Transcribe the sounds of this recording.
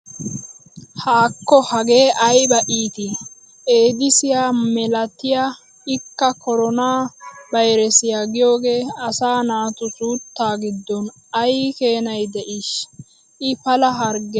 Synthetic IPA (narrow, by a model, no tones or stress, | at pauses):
haːkːɔhɐɡe̞ːʔɐjbɐʔiːt̪ɪ | ʔe̞ːd̪ɪsɪjaːmɛlɐt̪ɪja | ɪkːɐkɔɾɔnaːbɐjɾɛsɪjaɡɪjo̞ːɡe̞ːɐsaːnaːt̪ʊsuːt̪ːaːɡɪd̪ːɔn | ɐjke̞ːnɐjd̪ɛʔɪʃ | ʔɪpɐlɐɦɐɾɡɛ